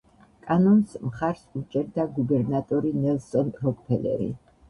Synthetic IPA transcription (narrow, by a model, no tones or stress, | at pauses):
kʼanɔnsmχaɾsut͡ʃʼɛɾd̪aɡubɛɾnat̪ʼɔɾinɛlˠsɔnɾɔkʼpʰɛlɛ̰ɾḭ